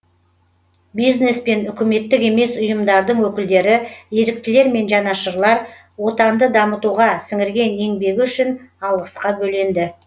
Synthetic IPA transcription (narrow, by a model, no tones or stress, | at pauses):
bijzne̞spe̞nʏkʲɪme̞t̪ːɪke̞me̞sʊjəmd̪ɑɾd̪əɴwɵkʲɪld̪e̞ɾɪje̞ɾɪk̚t̪ɪle̞ɾme̞nʒɑnɑʃəɾlˠɑɾ | wo̞t̪ɑnd̪əd̪ɑmət̪uʁɑsɪŋɪɾɡʲe̞ne̞ŋbe̞ɡʲɪʏʃɪnɑlˠʁəsqɑbɵle̞nd̪ɪ